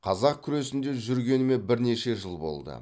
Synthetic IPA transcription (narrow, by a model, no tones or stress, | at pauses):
qʰɑzɑq̚kʲʰʏɾe̞sɪnd̪e̞ʒʏɾɡʲe̞nɪme̞bɪɾne̞ʃe̞ʒəlˠbo̞̰lˠd̪ə̰